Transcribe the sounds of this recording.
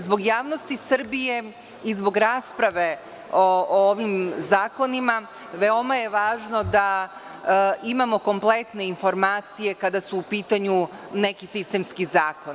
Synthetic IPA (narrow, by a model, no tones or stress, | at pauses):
zbo̞ɡjaːʋnost̪isr̩bije̞ | izbo̞ɡɾaːspɾaʋe̞ | ooʋimzaːko̞nima | ʋeo̞majeʋaːʒno̞d̪a | imamo̞ko̞mplˠe̞t̪ne̞info̞ɾmaːt̪sije̞kad̪asuːpiːt̪aɲune̞kisist̪e̞mskizaːko̞n